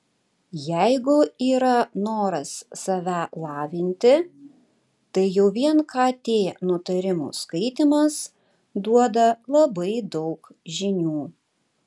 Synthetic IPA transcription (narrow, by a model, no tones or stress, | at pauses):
jæɪɡʊiːɾɐnoːɾɐsːɐʋʲælˠɑːʋʲɪnʲt̪ʲɪ | t̪ɐɪjɛʊʋʲiɛnkɑːt̪ʲeːnʊt̪ɐɾʲɪmṵːskɐɪt̪ʲɪmɐs | d̪uɔd̪ɐlˠɐbɐɪd̪ɔʊk | ʒʲɪnʲuː